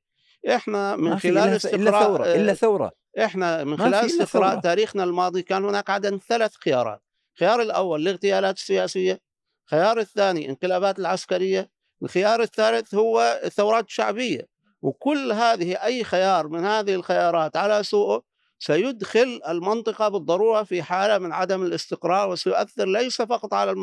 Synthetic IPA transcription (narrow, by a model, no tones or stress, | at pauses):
ʔɪħnamɪnxɪlaːlɪst̪ɪɾɑːawɾˤɑ̰ | ʔɪħnamɪnxɪlaːlɪst̪ɪqɾˤɑːʔt̪aːɾiːxnalmɑːðˤikaːnhʊnaːkʕad̪amθalaθxɪjɑ̰ːɾˤɑ̰ːt̪̚ | xɪjɑːɾˤɪlʔa̰wːalːɪɣt̪ɪjaːlaːt̪ɪ̥sːɪjaːsɪjːa | xajɑːɾˤɪθːaːniʔɪ̰nqɨlaːβaːt̪ɪlʕaskaɾɪjːa | ʔɪlxɪjɑːɾˤɪθːaːlɪθhʊwːaθːawɾˤɑːt̪ʃa̰ʕbɪjːa̰ | wkʊlːɦaːðɪhiʔajːxɪjɑːɾˤmɪnhaːðɪhɪlxɪjɑːɾˤɑːt̪ʕalasuːʔʊ | sajʊd̪xɪlɪlmɪnt̪ˤɨqɑbɨðˤːɑɾˤuːɾˤɑfiħaːlamɪnʕad̪amɪlɪst̪ɪqɾˤɑːɾˤwɪsajʊʔa̰θːɪɾlajsafɑqɑt̪ˤʕalal